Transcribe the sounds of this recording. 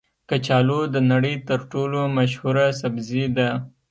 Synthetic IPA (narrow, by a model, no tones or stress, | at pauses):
kat͡ʃɑlod̪ənaɽəjt̪əɾʈolomaʃhuɾasabzid̪a